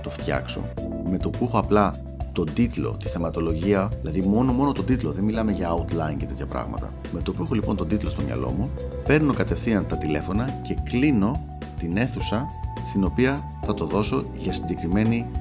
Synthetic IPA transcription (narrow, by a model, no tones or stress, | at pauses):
t̪o̞ft̪çɐ̰kso̰ | me̞t̪o̞puexo̞ɐplɐ | t̪o̞nd̪it̪lo̞̰t̪i̥θe̞mɐt̪o̞lo̞ʝiɐðilɐðimo̞no̞mo̞no̞t̪od̪it̪loðe̞nmilɐme̞ʝɐut̪lɐincet̪e̞t̪çɐpɾɐ̰ɣmɐ̰t̪ɐ̰ | me̞t̪o̞puexo̞lipo̞nt̪o̞d̪it̪lo̞st̪omɲɐ̰lo̞̰mupe̞ɾno̞kɐt̪e̞fθiɐnt̪ɐt̪ile̞fo̞nɐce̞klino̞ | t̪ine̞θusɐst̪ino̞piɐ | θɐt̪o̞ðo̞so̞ʝɐsiɲɟe̞kɾime̞ni